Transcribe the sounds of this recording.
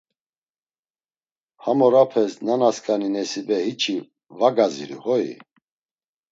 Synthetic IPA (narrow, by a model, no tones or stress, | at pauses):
hamɔɾapʰɛsnanaskʼaninɛsibɛhit͡ʃʰi | vaɡazḭɾḭhɔḭ